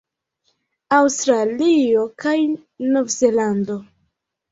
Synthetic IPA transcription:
awstɾalio̞kaj | no̞vzelando̞

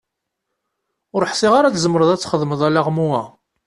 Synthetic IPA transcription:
ʊɾħsiʁaɾat͡szəməɾəðˤæt͡sːχəðˤməðˤælaʁmuæ

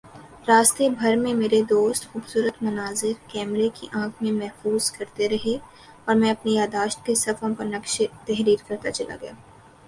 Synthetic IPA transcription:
ɾaːst̪ebʱɐɾmẽmeːɾed̪oːst̪xuːbsuːɾət̪mɐnaːzɪɾkɛːmɾekiʔãːkʰmẽmɛɦfuːzkɐɾt̪eɾɐɦe | ɔːɾmɛ̃ɐpnejaːd̪aːʃt̪̚kesɐfõpɐɾnɐkʃt̪ɛɦɾiːɾkɐɾt̪at͡ʃɐla̰ɡɐjaː

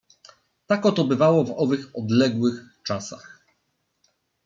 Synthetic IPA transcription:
t̪akɔt̪ɔbɘvawɔvɔvɘxɔd̪lɛɡwɘxt͡ʂasa̰x

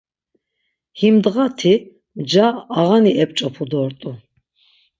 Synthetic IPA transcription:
himd̪ʁat̪ʰi | md͡ʒaːʁaniʔɛp̚ʼt͡ʃʼɔpʰud̪ɔɾt̪ʼu

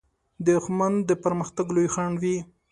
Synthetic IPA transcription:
d̪əxmand̪d̪əpəɾməxt̪aɡlojxaɳwi

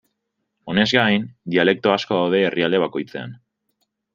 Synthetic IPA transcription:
o̞ne̞zɡajnd̪iale̞k̚t̪oasko̞ðawð̞e̞ːrʔiald̪e̞β̞ako̞jt͡se̞a̰n

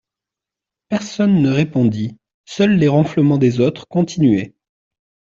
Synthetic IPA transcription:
pɛʁsɔnːəʁepɔ̃d̪i | sœlːeʁɔ̃fləmɑ̃d̪ezot̪χkɔ̃t̪ʰinɥɛ

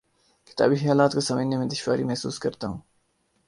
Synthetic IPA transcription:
kɪ̥t̪a̰ːbixijaːlaːt̪kosɐməd͡ʒnemẽd̪ɪʃwaːɾimɐɦsṵːskɐɾt̪aɦũː

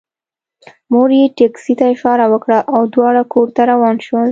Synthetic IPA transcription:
moɾjeʈeksit̪aɪʃɑɾawəkɽaʔawd̪wɑɽakʰoɾt̪aɾawɑnʃwəl

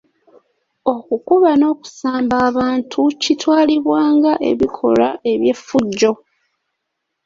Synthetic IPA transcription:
o̞kukuβano̞ːku̥saːmbaːβaːntʰucitwaːliβwaːŋɡaʔe̞̰βikʰo̞̰laʔe̞βje̞fuɟːo̞

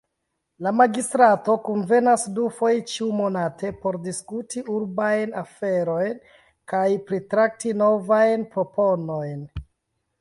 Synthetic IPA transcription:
lamaɡistɾato̞kunve̞nasdufo̞jt͡ʃiumo̞nate̞po̞ɾdiskutiʔuɾbajnafe̞ɾo̞jn | kajpɾitɾak̚tino̞vajnpɾo̞po̞no̞jn

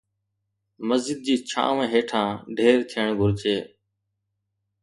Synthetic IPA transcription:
məzd͡ʒɪd̪̚d͡ʑiːt͡ʃʰã̰ːʋẽːɦeːʈʰãːɖʱeːɾt̪ʰɪjəɳɡʱʊɾt͡ʃeː

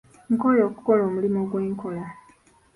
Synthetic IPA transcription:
ŋ̩koloːku̥koloːmulimo̞ɡwe̞ːŋkʰo̞la

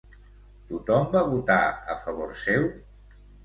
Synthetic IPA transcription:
t̪ut̪ɔmbaβut̪aə̰fəβ̞oɾsew

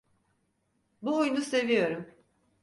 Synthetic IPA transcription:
buojunuse̞vijo̞ɾum

